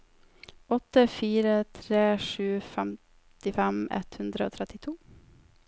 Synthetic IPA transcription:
ɔt̪ːəfiːɾət̪ʰɾeːʂʉːfɛm | t̪ɪfɛmɛ̰t̪hʉnd̪ɾəoːt̪ʰɾɛt̪ɪt̪ʰuː

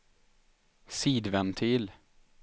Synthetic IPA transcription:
siːd̪vɛnt̪ʰiːl

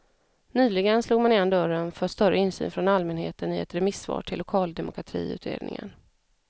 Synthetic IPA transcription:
nyːlɪɡənsluːɡmanɪːnand̪œɾənfœʂt̪œɾəɪnsy̰ːnfɾɔnalmɛnhḛːt̪ənɪɛ̰t̪ːɾɛmɪsvɑ̰ːʈʰɪlːʊkʰɑːld̪ɛmʊkʰɾat̪ʰḭːʉ̟̰ːt̪ʰɾḛːd̪nɪ̰ŋə̰n

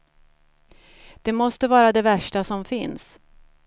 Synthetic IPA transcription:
d̪̥ɛmɔst̪əvɑːɾad̪ɛvæʂʈasɔmfɪns

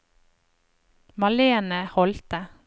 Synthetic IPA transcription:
mɑleːnəhɔlt̪ə

